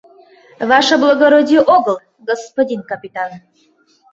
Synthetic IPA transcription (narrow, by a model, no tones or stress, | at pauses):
vaʃəblˠəɡoɾodʲijoʔoɡəlˠ | ɡospodʲinkɐpʲit̪an